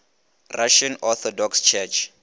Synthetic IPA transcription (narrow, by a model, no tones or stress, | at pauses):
rʔaʃanɔθɔdɔkst͡ʃʰɛt͡ʃʰ